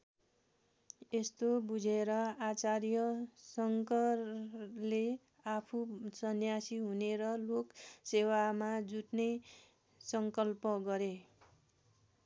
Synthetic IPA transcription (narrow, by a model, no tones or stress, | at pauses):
est̪obud͡zʱeɾʌat͡sarjʌsʌŋkʌrle | apʰusʌnjasiɦuneɾʌloksewamad͡zuʈne | sʌŋkʌlpʌɡʌɾe